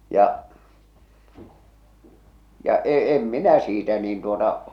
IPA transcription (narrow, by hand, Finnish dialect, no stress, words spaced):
jɑʔ jɑ e em minæ siːtæ niːn tuotɑ